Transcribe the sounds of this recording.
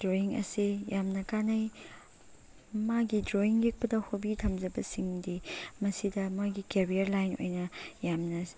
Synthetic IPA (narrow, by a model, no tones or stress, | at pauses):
dɾoiŋɐ̰sijamnɐkanɐj | maɡidɾoiŋjek̚pɐdɐhobitʰɐmd͡ʒɐbɐsiŋdimɐsidɐmojɡikeɾiɐɾlajno̰jnɐjamnɐ